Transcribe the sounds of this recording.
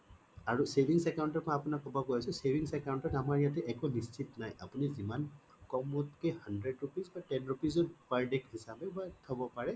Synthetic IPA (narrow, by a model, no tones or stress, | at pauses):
aɹusebʱiŋsɛkawntɔtpɔaːpunakːɔbɔkojasɛsebʱiŋsɛkaw̃ntɔtamaɹjatɛʔɛkunist͡ʃʰitnajʔa̰puniziman | kɔmɔtkɛhandɹɛdɹupizbatɛnɹupizɔdpajdɛkhisabɛbatʰɔbɔpaɹɛ